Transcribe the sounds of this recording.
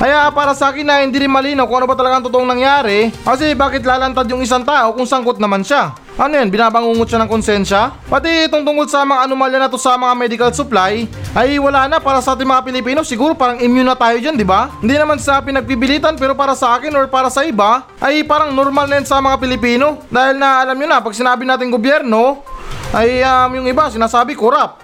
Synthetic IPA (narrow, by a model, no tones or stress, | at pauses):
kɐjaʔpaːɾɐsɐʔaːkɪnːɐhɪnd̪iɾɪnmɐliːnawkʊŋɐnobɐt̪ɐlɐɡaʔɐŋt̪ot̪oʔoŋnɐŋjaːɾɛkɐs̬ɛbaːkɪt̪̚laːlɐnt̪ad̪jʊŋɪs̬aŋt̪aːʔo̞kʊŋsɐŋkot̪̚nɐmanʃa | ʔɐnojanbɪnaːbɐŋuːŋot̪̚ʃanɐŋkonsjɛnʃɐ | pɐt̪iɪt̪oŋt̪ʊŋkold̪sɐmɐŋɐnomaljɐnɐt̪osɐmɐŋamɛd̪ɪkɐlsʊplajʔɐjwɐlaːnɐpaːɾɐsɐʔaːt̪̬ɪŋmɐŋapɪlɪpiːno̞sɪɡuːɾo̞paːɾɐŋɪmjʊnːɐt̪aːjod͡ʒand̪ɪbahɪnd̪inɐmansɪnapɪnɐɡ̚biːbɪliːt̪ɐnpɛːɾo̞paːɾɐsɐʔaːkɪnoɹpaːɾɐsɐʔɪba | ʔɐjpaːɾɐŋnoɾmalnɐjansɐmɐŋapɪlɪpiːno̞d̪aːhɪlnɐʔɐlamɲonɐpɐɡ̚sɪnaːbɪnaːt̪ɪŋɡobjɛɾno̞ʔɐjɐmjʊŋɪbasɪnaːsaːbɪkoɾap̚